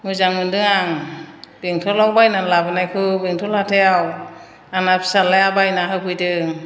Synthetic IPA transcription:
mɯzaŋmɯndɯŋaŋb̥eŋtʰɔlawbajnalabɯnajkʰɯbeŋtʰɔlatʰejaw | anapʰsalajabajnaɦɯkʰɯjdɯ

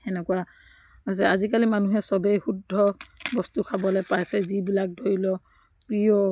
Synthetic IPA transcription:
ɛnɛkuwa | ɔjs̬ɛazikalimanuɦɛsɔbejxudʱːɔbɔstukʰabɔlɔjpajsɛzibilak̚dʱoɹilɔ | pɹijɔ

